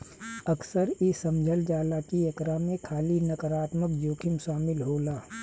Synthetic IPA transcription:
ɐksəɾisɐmd͡ʒʱəld͡ʒaːlaːkiɐkɾamẽkʰaːlinɐkəɾaːt̪məkd͡ʒoːkʰɪmʃaːmɪlɦoːlaː

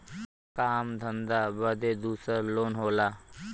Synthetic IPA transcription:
kaːmd̪ʱə̃nd̪abəd̪ed̪uːsəɾloːnɦoːlaː

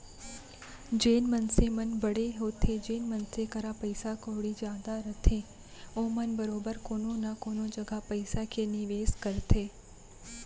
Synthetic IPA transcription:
d͡ʒeːnmənsemənbəɽeɦot̪ʰed͡ʒeːnmənsekəɾapəjsakoɽid͡ʒaːd̪aɾət̪ʰẽ | omənbəɾoːbəɾkoːnõnakonõd͡ʒəɡʱapəjsakʰeniʋeːskəɾt̪ʰe

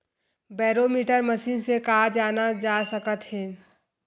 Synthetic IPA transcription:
bɛːɾoːmiːʈəɾməsiːnsekaːd͡ʒaːnad͡ʒaːsəkət̪ɦɛ̃ː

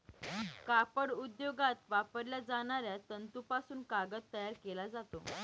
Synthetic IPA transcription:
kapəɽud̪joɡat̪ʋapəɾljad͡zaɳ̃aɾjat̪ənt̪upasuːnkaɡət̪ːəjaɾkelad͡zat̪o

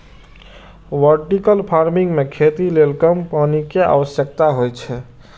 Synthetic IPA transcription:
ʋəɾʈikəlpʰaɾmiŋɡmekʰet̪ilelkəmpanikea̰ʋəsjək̚t̪aɦojt͡ʃʰɛ

